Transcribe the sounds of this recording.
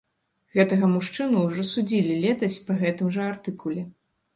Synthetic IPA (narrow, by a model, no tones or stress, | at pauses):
ɣɛt̪ɐɣɐmuʂt͡ʂɨnuːʐɔsud͡zʲilʲilʲɛt̪ɐsʲpɐɣɛt̪ɨmʐɐart̪ɨkulʲɛ